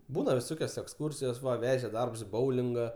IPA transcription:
ˈbuːnɐ ʋʲɪˈsoːkʲoːs ɛksˈkʊrʲsʲɪjoːs ˈʋɐ ˈʋʲæːʒʲɛ ˈdɐrps ɪ ˈboːʊlʲɪŋɡɐ

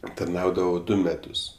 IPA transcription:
tɐrˈnɐʊdɐʋoː ˈdʊ mʲɛˈtʊs

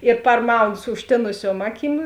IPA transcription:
ɪr pɐrˈmɐʊnʊ sʊ ʊʃʲˈtʲeːnʊsʲuɔm ˈɑːˌkʲiːm

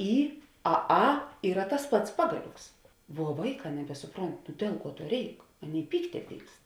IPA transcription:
ˈiː ɐ ˈɐ ˈiːrɐ tɐs ˈpɐts ˈpɑːɡɐˌlʲoːks ʋuɔ ˈʋɐɪˌkɑː nʲɛbʲɛsʊˈproːnt nʊ ˈdʲiɛlˠ ˌkuɔ ˈtuɔ ˈrʲɛɪk ˈɑːˌnʲeːɪ ˈpʲiːktʲɛ ˈpʲiːkst

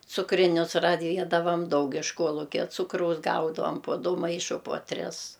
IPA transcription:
t͡sʊkrʲɪˈnʲʊs rɐˈʋʲiɛdɐʋɐm ˈdɐʊk ɪʃ ˈkuɔlˠʊkʲɛ ˈt͡sʊkrɐʊs ˈɡɐʊdɐʋoːm poː ˈdʊ ˈmɐɪʃʊ puɔ ˈtʲrʲɪs

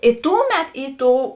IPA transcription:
ɪ ˈtʊˌmʲɛt ˈiː ˈtoːʊ

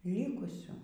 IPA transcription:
ˈlʲɪkʊsʲuː

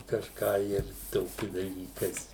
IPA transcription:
kɐʃˈkɑː ɪr ˈtoːkʲɪ dɐˈlʲiːkɐɪs

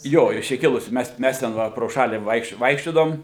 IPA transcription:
ˈjoː ɪʃ ˈt͡ʃʲɛ ˈkʲɪlˠʊsʲɪ ˈmʲɛs ˈmʲɛs tʲɛn ˈʋɐ proː ˈʃɑːlʲiː ˈʋɐɪkʃ ˈʋɐɪkʃʲt͡ʃʲoːdɐʋoːm

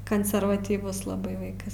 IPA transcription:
kɐnʲsʲɛrʋɐtʲiːˈʋʊs lˠɐˈbɐɪ ˈʋɐɪkɐs

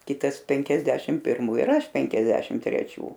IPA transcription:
ˈkʲɪtɐs ˈpʲɛŋʲkʲɛzʲdʲɛʃʲɪm pʲɪrˈmuː ɪr ˈɐʃ ˈpʲɛŋʲkʲɛzʲdʲɛʃʲɪm tʲrʲɛˈt͡ʃʲuː

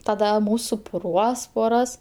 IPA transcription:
tɐˈdɐ ˈmʊs sʊpʊˈruɔs poːˈrɐs

